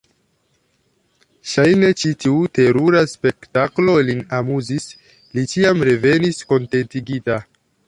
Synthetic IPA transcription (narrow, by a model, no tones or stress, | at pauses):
ʃajne̞t͡ʃitiute̞ɾuɾaspe̞ktaklo̞linamuzis | lit͡ʃiamɾe̞ve̞nisko̞nte̞ntiɡita